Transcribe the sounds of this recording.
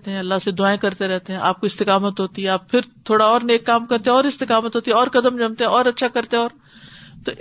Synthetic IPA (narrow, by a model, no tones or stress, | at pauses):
t̪eɦɛ̃ːɐlːaɦsed̪ʊaːẽkɐɾt̪eɾɛɦt̪eɦɛ̃ʔa̰ːp̚koɪst̪ɪkaːmət̪ɦoːt̪iɦɛaːp̚pʰɪɾt̪ʰoːɽaɔːɾneːkːaːmkɐɾt̪eɛ̃ɔːɾɪst̪ɪkaːmət̪ɦoːt̪iɛɔːɾkɐd̪əmd͡ʒɐmt̪eɛ̃ɔːɾɐtːʃʰakɐɾt̪ẽɔːɾ | t̪oːʔ